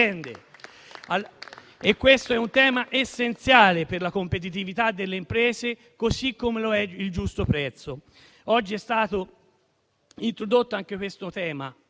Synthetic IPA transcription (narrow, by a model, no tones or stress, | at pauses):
ɛnd̪e | a | ekːwest̪oɛunt̪ɛːmaʔesːent̪sjaːleperlakompet̪̬it̪̬ivit̪ad̪ːelːeimpɾɛːze | kosikːomeloɛild͡ʒust̪opɾɛt̪sːo | ɔd͡ʒːiɛst̪aːt̪o | int̪ɾod̪ot̪ːoaŋk̟ekwest̪ot̪ɛːma